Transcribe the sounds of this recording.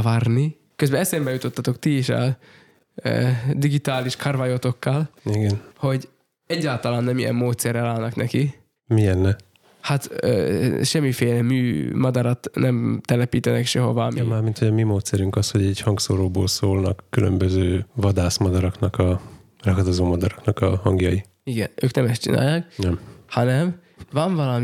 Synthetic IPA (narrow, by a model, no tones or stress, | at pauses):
varni | køzbɛɛsɛmbɛjut̪o̞t̪ːɒt̪o̞kt̪ieʃa̰l̰ː | d̪iɡit̪aːliʃkʰarvajot̪o̞kːɒliɡɛnho̞ɟ | ɛɟːaːlt̪ɒlaːnːɛmijɛ̰mːoːt̪sɛrɛlaːlnɒknɛki | miɛnːɛ | hat̪ø̰ːʃɛmːifeːlɛmyːmɒd̪ɒɾɒt̪nɛmt̪ɛlɛpiːt̪ɛnɛkʃɛɦova̰mimaːrmint̪ʰhoɟɒmimoːt̪sɛɾyŋkɒsho̞ɟɛɟhɒŋɡsoɾoːboːlsoːlnɒkːylømbøzøːvɒd̪aːsmɒd̪ɒɾɒknɒkɒ | rɒɡɒd̪ozoːmɒd̪ɒɾɒknɒkɒhɒŋɡjɒji | iɡɛnøːknɛmɛst͡ʃḭna̰ːjːaːknɛmhɒnɛm | vɒɱvɒlɒm